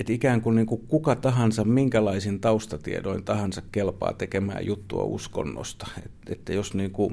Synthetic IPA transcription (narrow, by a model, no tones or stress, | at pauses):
et̪ikæːŋkunniːŋkukkukɑt̪ɑɦɑnsɑmmiŋkælɑisint̪ɑust̪ɑt̪ḭḛdo̰int̪ɑhɑnsɑkkelpɑ̰ːt̪ekemæ̰ːjut̪ːuɑ̰ṵsko̰nːo̰st̪ɑ̥et̪et̪ːæjosniːŋku